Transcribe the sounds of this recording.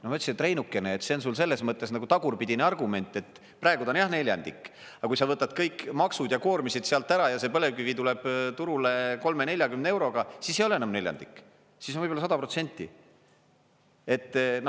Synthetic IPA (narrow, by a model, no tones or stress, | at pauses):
nomɑyt̪sit̪re̞jnukːˑe̞neːt̪se̞ons̬ulse̞lːe̞smɤt̪ːˑe̞snɑɡut̪ɑɡurpid̪ineɑrɡume̞nʲt̪ːˑe̞t̪ː | prɑeɡud̪onjɑhne̞lʲjɑ̰nd̪̥ḭkː | ɑkujsɑvɤt̪ːɑd̪kɤjkːmɑksud̪̥jɑko̞ːrmisid̪̥seɑlt̪ːˑæɾɑjɑse̞pɤle̞vkyvit̪ule̞b̥t̪uɾule̞ko̞lme̞nelʲjɑkymneewɾo̞ɡ̥ɑsisejoleenɑmne̞lʲjɑ̰nd̪ikːˑ | sismvɤjbolɑsɑd̪ɑpro̞t̪se̞nʲt̪ːḭ | e̞t̪ːˑn